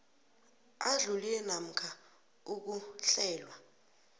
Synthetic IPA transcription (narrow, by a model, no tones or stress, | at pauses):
aɮulilɛnam̩kʰa | uk̬uɬɛːlwa